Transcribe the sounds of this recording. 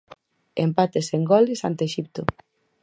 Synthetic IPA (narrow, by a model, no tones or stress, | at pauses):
empat̪eseŋɡɔlɪsa̰nt̪eʃip̚t̪ʊ